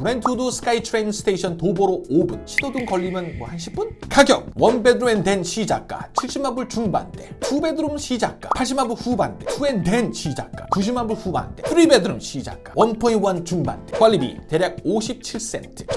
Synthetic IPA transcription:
ɾentʰodusʰɯ̥k͈aitʰɾejnsʰɯ̥tʰeiɕʰʌntoboɾoobunɕʰidʰodɯŋkʌʎːimjʌnmwʌhanɕʰi̥p͈unkaɡjʌk̚wʌnbe̞dɯɾumende̞nɕʰid͡ʑa̰k̚k͈a̰t͡ɕʰiɭɕ͈imabɯɭt͡ɕuŋba̰nde̞ɸube̞dɯɾɯmɕʰid͡ʑak̚k͈apʰaɭɕ̬͈ʰimabuɭɸubande̞̰ɸue̞nde̞nɕʰid͡ʑa̰k̚k͈a̰kuɕ̬ʰimabuɭɸuba̰nde̞pʰɯɾibe̞dɯɾɯmɕʰid͡ʑa̰k̚k͈awʌnpʰoiwant͡ɕuŋba̰nde̞kwʌlːibḭte̞ɾjak̚oɕʰip̚t͡ɕʰiɭs͈e̞̰ntʰɯ̥

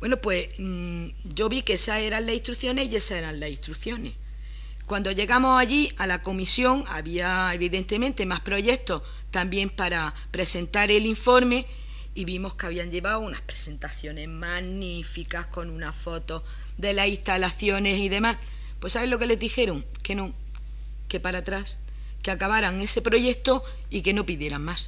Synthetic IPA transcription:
bwe̞nopwe̞s | ɟ͡ʝo̞βikesae̞ɾanlasiht̪ɾuθjo̞ne̞hie̞sae̞ɾanlasit̪ɾuθjo̞ne̞h | kwand̪o̞ʝe̞ɣamo̞saʎialako̞misjo̞ŋa̰βiae̞βiðe̞nt̪e̞mẽnt̪e̞mahpɾo̞ʝe̞k̚t̪o̞ | t̪ambje̞mpaɾa | pɾe̞se̞nt̪aɾe̞liɱfo̞ɾme̞ | iβimo̞hkeaβiaɲʎe̞βaounahpɾe̞se̞nt̪aθjo̞ne̞zmanifikahko̞nũnafo̞t̪o̞ | d̪e̞lasiht̪alaθjo̞ne̞siðe̞mas | pwe̞saβe̞lo̞ke̞le̞ðixe̞ɾoŋ | ke̞nõ | ke̞paɾat̪ɾas | keakaβaɾaŋe̞se̞pɾo̞ʝe̞k̚t̪o̞ | ike̞no̞piðje̞ɾaŋmas

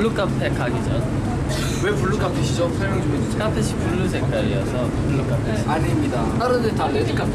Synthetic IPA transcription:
ɭːuk͈apʰekaɡid͡ʑʌn | wepuɭːuk͈ʰapʰiɕʰid͡ʑosʰʌmoŋd͡ʑuŋed͡ʑit͡ɕʰk͈apʰɯɕʰi̥puɭːusʰek͈aɾijʌsʰʌ | puɭːuk͈apʰiɕaɲimɲida | aɾɯndetaɭːed͡ʑik͈a

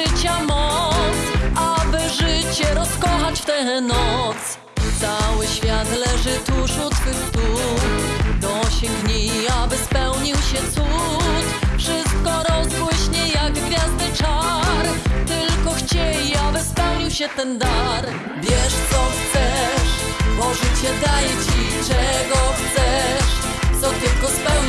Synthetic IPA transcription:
t͡ɕamɔt̪sabɘʐɘt͡ɕɛɾɔskɔxat͡ɕft̪ɛlɛnɔt̪s | t̪sawɘɕfʲjat̪lɛʐɘt̪uʂut̪kɘxt̪u | d̪ɔɕeŋɡɲiabɘspɛwɲiwɕɛt̪su | t̪fʂɘst̪̚kɔɾɔzbwɪɕɲɛjaɡɡvʲjazd̪ɘt͡ʂaɾt̪ɘlkɔxt͡ɕejiabɘspɛwɲiwɕɛt̪ɛnd̪aɾ | vʲjɛʂt̪sɔxt̪sɛʂ | mɔʐɛt͡ɕɛd̪ajɛt͡ɕit͡ʂɛɡɔxt̪sɛʂ | t̪sɔt̪ʲɛlkɔspɛw

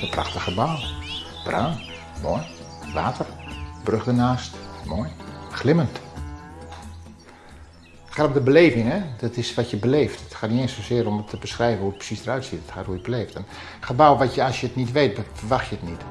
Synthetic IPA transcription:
ənpra̰xtəxəbaw | b̥rœːn | mɔj | ʋaːtʰərbrøɣdənaːstmojxlɪmənt | xaːtomdəbəleːvɪŋɛdɔtɪsʋatjəbəleːftətxaːtniɪənsosɪəɾomətʰːəbəsxrɛjvənhuət̚prə̥sisdərœɥtsitətxaːthuəbəleːftən | xəbawʋatjəɔsjətnitʋeːtfərʋaxtjəətnit

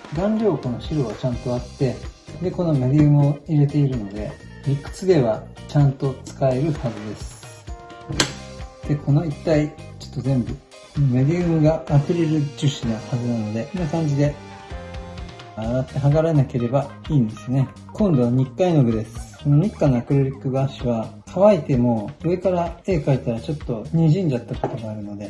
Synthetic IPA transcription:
ɡãnɾʲo̞ːko̞no̞ɕiɾo̞βat͡ɕãnt̪o̞at̪ːe̞d̪e̞ko̞no̞med̪ʲiɯmɯ̟oiɾe̞t̪e̞iɾɯ̟no̞d̪e̞̰ | ikːɯ̟̥t͡sɨd̪e̞β̞at͡ɕãnt̪o̞t͡sɨ̥kae̞ɾɯ̟hazɨd̪e̞sɨ̥ | d̪̥e̞ko̞no̞it̪ːait͡ɕo̞̥t̪ːo̞zẽ̞mbɯ̟ | konomed̪ʲiɯmɯ̟ɡaːɸɯ̟ɾʲiɾɯ̟t͡ɕɨɕinahazɨnano̞d̪e̞kinakãɲ̟d͡ʑid̪e̞ | aɾat̪ːe̞ɦaɡaɾenake̞ɾe̞baiːnd̪e̞sɨne̞ | kõnd̪o̞βaɲ̟ikːaino̞ɡed̪e̞sɨ̥ko̞no̞ɲ̟ikːanoakɯ̟ɾeɾʲikːɯ̟ɡaɕiβakʰaβait̪e̞mo̞ɯe̞kaɾae̞ːkait̪aɾat͡ɕo̞t̪ːo̞ɲ̟iʑĩɲ̟d͡ʑat̪ːako̞t̪o̞ɡaːɾɯ̟no̞d̪e̞

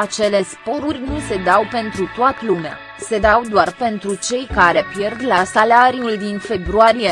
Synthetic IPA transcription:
at͡ʃe̞le̞spo̞ɾurʲnuse̞d̪awpe̞nt̪ɾut̪oat̪əlumea̰ | se̞d̪awd̪oarpe̞nt̪ɾut͡ʃe̞jkaɾe̞pje̞rd̪lasalaɾiuld̪infe̞bɾuaɾije

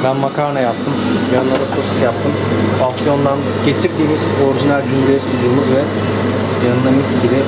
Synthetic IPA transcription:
bænmakʰaɾnajap̚t̪ʰɯmjjannˠaɾak̪ʰusi̥sjap̚t̪ʰɯm | oksijo̞nd̪an | ɟ̥e̞t͡ʃʰiɾd̪iːmizo̞ɾiʒinælʲd͡ʒymlʲeɛsud͡ʒulˠukvɛ | janɯnaɾisɟibɪ

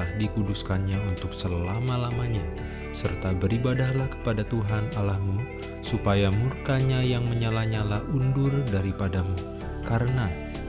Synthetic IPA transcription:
ahdikuduskanɲaunt̪ʊksəlamalamaɲa | sərt̪abəɾibadahlahkə̥padat̪uɦanalahmu | supajamurkaɲajaŋməɲalaɲalahundʊrdaɾipadamu | kaɾəna

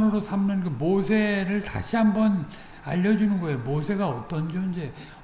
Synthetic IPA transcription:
nɯɾosʰamɲʌnkɯmosʰe̞ɾɯɭta̰ɕʰiɦambʌn | a̰ʎːʌd͡ʑunɯnɡʌejomosʰe̞ɡaʌt͈ʌnd͡ʑʌind͡ʑe̞

